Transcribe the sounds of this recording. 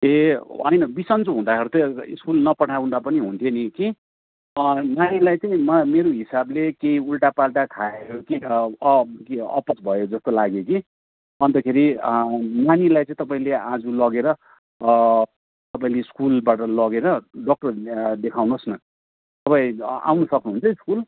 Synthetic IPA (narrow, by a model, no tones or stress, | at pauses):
eɦʌ̰jnʌbisʌnt͡soɦũd̪akʰeɾut̪ʌḭskulnʌpʌʈʰawũndapʌniɦunt̪ʰjeniki | nanilajt͡sʌĩmʌmeɾoɦisablekeiulʈapalʈakʰaejoki | kiʌ̰pʌsbʱʌjod͡zʌst̪olaɡjoki | ʌnt̪ʌkʰeɾi | nanilajt͡sʌĩt̪ʌpaĩlead͡zulʌɡeɾʌ | t̪ʌpaĩleiskulbaʈʌlʌɡeɾʌɖɔk̚ʈʌrd̪ekʰawnosnʌ | t̪ʌpaĩa̰wnʌsʌknuɦũnt͡sʰʌiskul